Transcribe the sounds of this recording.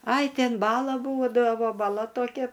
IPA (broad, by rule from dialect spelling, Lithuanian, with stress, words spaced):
ɐɪ ˈtʲɛn ˈbɑːlˠɐ ˈbuːdɐʋoː bɐˈlˠɐ toːˈkʲɛ